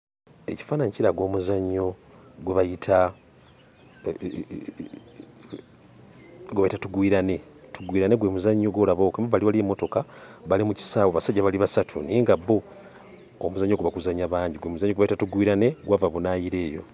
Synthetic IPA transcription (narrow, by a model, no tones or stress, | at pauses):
e̞ci̥faːnaɲciɾaɡwo̞ːmuzaɲːo̞ | ɡweβajitʰa | ɡweβajitatuɡwiɾane̞tuɡwiːɾane̞ɡwe̞ːmuzaɲːo̞ɡwo̞laβo̞ːkemaβaliβaliemːo̞to̞kaβalimuci̥saːwaβasaɟːaβaliβasatʰuniːŋɡaβo̞ː | muzaɲːo̞ɡuβakuzaɲaβaːɲɟiɡwemuzaɲːoɡweβajitatuɡwiːɾane̞ɡwavaβunajiɾe̞ːjo̞̰